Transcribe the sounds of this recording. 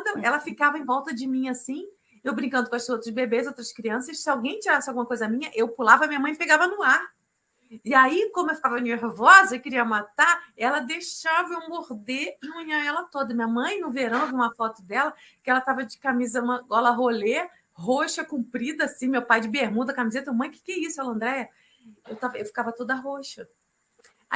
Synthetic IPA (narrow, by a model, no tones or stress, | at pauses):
d̪ɐɛlɐfikavɐẽj̃vɔwt̪ɐd͡ʒɪmĩasĩ | ewbɾĩkɐ̃nd̪ʊkw̃ɐsowt̪ɾʊzbebezowt̪ɾɐskɾiɐ̃sɐssɪawɡẽj̃t͡ʃiɾasɪawɡũmɐkojzɐmĩɲɐʔewpulavɐmiɲɐmɐ̃j̃peɡavɐnʊaɾ | ɪaikõmʊewfi̥kavɐneɾvɔzɐewkɪɾiɐmat̪aɛlɐd̪ejʃavɐew̃moɾd̪emũɲɐ̃ɛlɐt̪od̪ɐmĩɲɐmɐ̃j̃nʊveɾɐ̃w̃vĩũmɐfɔt̪ʊd̪ɛlɐ | kɪɛlɐt̪avɐd͡ʒɪkamizɐmɐ̃ɡɔlɐɦole | ɦoʃɐkũpɾid̪ɐːsĩmewpajd͡ʒɪbeɾmud̪ɐkamizet̪ɐmemɐ̃j̃kɪ̥kɛisʊɛlɐ̃nd̪ɾɛjɐ | ewt̪avɐewfi̥kavɐt̪od̪ɐɦoʃɐ